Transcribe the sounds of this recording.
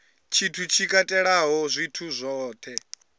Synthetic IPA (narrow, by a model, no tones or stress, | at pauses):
t͡ʃʰitʰut͡ʃʰikʼatʼɛɺaɦɔzʷitʰuzʷɔːt̪ʰɛ